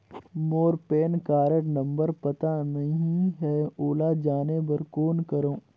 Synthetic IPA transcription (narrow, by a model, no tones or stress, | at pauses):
moːɾpeːnkaːɾəɽnɐ̃mbəɾpɐt̪anɐɦĩɦɛoːlad͡ʒaːnebɐɾkoːnkɐɾõː